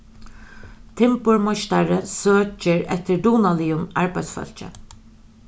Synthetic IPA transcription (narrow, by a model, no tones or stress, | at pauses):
t̪ʰɪmpʊɹmɔʃt̪aɹəsøːt͡ʃɪɹɛt̪ɪɹd̪uːnalɪːʊmaɹpajt̪sfœ̰l̥t͡ʃə̰